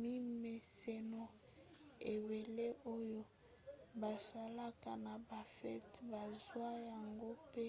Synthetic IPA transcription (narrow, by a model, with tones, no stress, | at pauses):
mi˦me˨se˨nɔ˨ | e˨be˨le˦ʔo˦jo˦ | ba˨sa˨la˦ka˨na˨ba˨fɛ̰˦tba˨zwa˦ja˨ŋɡo˦pe˦